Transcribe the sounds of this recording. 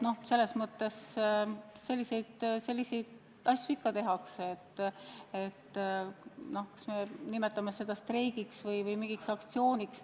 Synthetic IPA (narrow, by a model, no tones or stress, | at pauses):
no̞hse̞lːe̞smɤt̪ːe̞s | se̞lʲːise̞jd̪̥selʲːise̞jd̪̥ | ɑsʲjuikːɑt̪e̞ɦɑkseet̪ːet̪ː | no̞hkɑ̥sme̞nime̞t̪ːˑɑmese̞d̪ɑst̪rejɡiksvɤjvɤjmiŋɡ̥iksɑkt̪sio̞ːnʲiks